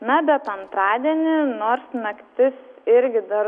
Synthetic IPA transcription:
nɐbʲɛt̪ɐnt̪ɾɑːd̪ʲiɛnʲɪnoːɾsnɐkt̪ʲɪsɪɾʲɡʲɪd̪ɐr

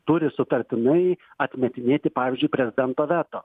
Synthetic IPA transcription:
t̪ʊɾʲɪsʊt̪ɐɾʲt̪ʲɪnɐɪ | ɐt̪ʲmʲɛt̪ʲɪnʲeːt̪ʲɪpɑːʋʲɪːzʲd͡ʒʲʊɪpʲɾʲɛzʲɪd̪ʲɛnt̪oːʋʲæːt̪oː

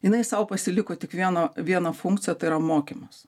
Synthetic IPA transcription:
jɪnɐɪsɐʊpɐsʲɪlʲɪkoːt̪ʲɪkʋʲiɛnɐʋʲiɛnɐfʊŋktt͡s̪ʲɪjɛt̪ɐɪɾɐmoːkʲimɐs

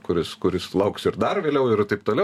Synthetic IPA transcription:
kʊɾʲɪskʊɾʲɪslˠɐʊksɪɾd̪ɐrʋʲeːlʲɛʊɪɾt̪ɐɪp̚t̪oːlʲɛ

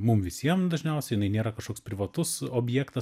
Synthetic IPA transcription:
mʊmʋʲɪsʲiɛmd̪ɐʒʲnʲɛʊsʲɛjɪnɐɪnʲeːɾɐkɐʃkoːkspʲɾʲɪʋɐt̪ʊsoːbʲjæːkt̪ɐ

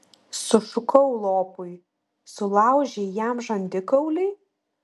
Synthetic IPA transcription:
sʊfʲʊkɔʊlˠoːpʊɪ | sʊlˠɑˑʊʒʲejæmʒɐnʲd̪ʲɪkɐʊlʲɪɪ

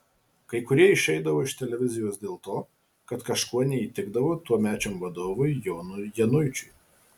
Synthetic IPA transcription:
kɐɪkʊɾʲiɛɪʃʲɛɪd̪ɐʋoːɪʃt̪ʲɛlʲɛʋʲɪzʲɪjoːsd̪ʲeːlˠt̪oː | kɐt̪kɐʃkuɔnʲɛiːt̪ʲɪɡd̪ɐʋoːt̪uɔmʲæːt͡ʃʲoːmʋɐd̪oːʋʊjjoːnʊjɛnʊɪt͡ʃʲʊj

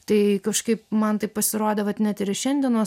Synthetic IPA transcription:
t̪ɐɪkɐʃkɐɪpmɐnt̪ɐɪppɐsʲɪɾoːd̪ʲeʋɐt̪nʲɛt̪ɪɾɪʃʲɛnʲd̪ʲɛnoː

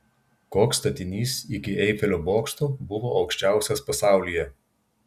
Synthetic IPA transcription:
koːkst̪ɐt̪ʲɪnʲiːsɪkʲɪɛɪfʲɛlʲoboːkst̪obʊʋɔʔɐʊkʃʲt͡ʃʲæˑʊsʲɐspɐsaˑʊlʲijɛ

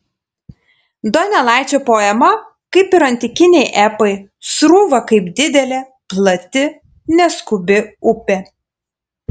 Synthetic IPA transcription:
d̪oːnʲɛlˠɑˑɪt͡ʃʲoːpoːɛmɐ | kɐɪpɪɾɐnʲt̪ʲɪkʲɪnʲɛɪʔɛpɐɪsɾuːʋɐkɐɪpd̪ʲɪd̪ʲɛlʲeː | plˠɐt̪ʲɪ | nʲɛskʊbʲɪʊpʲe

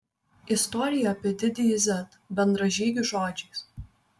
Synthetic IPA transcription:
ɪst̪ɔːɾʲɪjɛɐpʲiɛd̪ʲɪd̪ʲɪzʲɛt̪ | bʲɛnd̪ɾɐʒʲiːɡʲʊʒoːd͡ʒʲɛɪs

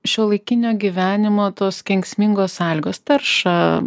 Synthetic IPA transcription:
ʃʲoːlˠɐɪkʲɪnʲoːɡʲiʋʲæːnʲɪmoːt̪oːskʲɛŋksʲmʲɪŋɡoːsɑlʲɪɡoːst̪ɐrʃɐ

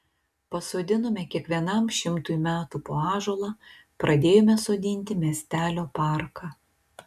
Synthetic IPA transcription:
pɐsoːd̪ʲɪnomʲɛkʲiɛkʋʲiɛnɐmʃʲɪmt̪uːjmʲæːt̪uːpoːɑːʒoːlˠɑ | pɾʔɐd̪ʲeːjoːmʲɛsoːd̪ʲɪnʲt̪ʲɪmʲeɛsʲt̪ʲæːlʲoːpɑˑɾkʰɑː

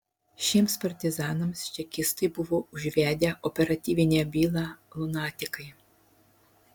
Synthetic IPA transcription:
ʃɪmspɐrt̪ʲɪzɑnɔmst͡ʃʲɛkʲist̪ɪjbʊʋɔuʒʲʋʲad̪ʲɐʔɔpeɾɐt̪ʲiʋʲinʲɐbʲilˠɐlˠʊnɑtʲɪkɐj

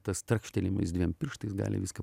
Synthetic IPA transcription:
t̪ɐst̪ɾɐkʃʲt̪ʲɛlʲɪmɐ̰ɪsd̪ʲʋʲiɛmpʲɪrʃt̪ɐɪsɡɑ̰ːlʲɪ̰ʋʲɪskɐ

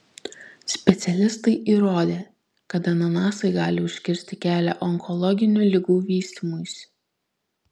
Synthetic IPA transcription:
sʲpʲɛt̪sʲɛlʲɪst̪ɐɪʔiːɾoːd̪ʲeː | kɐt̪ɐnɐnɑːsɐɪɡɑːlʲɪʊʃʲkʲɪɾʲsʲt̪ʲɪkʲæːlʲæ̰ʔɔŋkɔlˠɔɡʲɪnʲuːlʲɪɡuːʋʲiːsʲt̪ʲimojsʲ

